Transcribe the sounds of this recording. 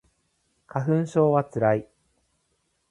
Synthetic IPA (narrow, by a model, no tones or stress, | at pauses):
kaɦɯ̟̃ɰ̃ɕo̞ːβat͡sɨɾai